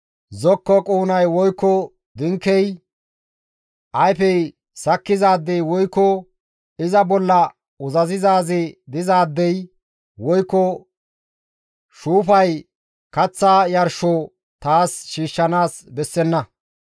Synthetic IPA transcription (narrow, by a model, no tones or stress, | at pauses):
zɔkːɔkʼuːnɐjwɔjkːɔ | d̪ɪŋkːɛj | ʔɐjfɛj | sɐkːɪzaːd̪ːɛjwɔjkːɔ | ɪzɐbɔlːɐ | ʊzɐzɪzaːzɪd̪ɪzaːd̪ːɛj | wɔjkːɔ | ʃuːfɐj | kɐt͡sːaːjɐɾʃɔ | t̪aːsʃiːʃːɐnaːsbɛsːɛnːɐ